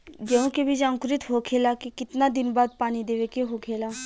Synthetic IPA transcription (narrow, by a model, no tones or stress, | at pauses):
d͡ʒɛõkebʱid͡ʒãːŋkɾɪt̪ɦoːkʰeːlaːkikɪt̪naːd̪ɪnbaːd̪̚paːnid̪eːʋekeɦokʰeːlaː